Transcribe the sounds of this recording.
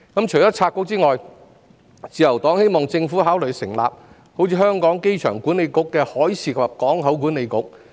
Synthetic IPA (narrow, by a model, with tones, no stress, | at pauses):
kɐ˨˥mt͡ʃʰɵ˨˩jɔː˨˥t͡sʰaː˧t̚kʊ˥k̚t͡siː˥ŋɔː˨j | t͡siː˨jɐ˨˩wt̪ɔː˨˥ŋhe˥jmɔː˨ŋt͡sɪ˧ŋfu˨˥haː˨˥wlɵ˨jsɪ˨˩ŋla̰ː˨p̚ | ho˨˥wt͡sʰiː˧hœː˥ŋkɔː˨˥ŋke˥jt͡ʃʰœː˨˩ŋku˨˥ne˨˧jkʊ˨˥kːɛː˧hɔː˨˥jsʰiː˨˩kɐ˨p̚kɔː˨˥ŋɦɐ˨˥wk̬uː˨˥ne˨˧jkʊ̰˥k̚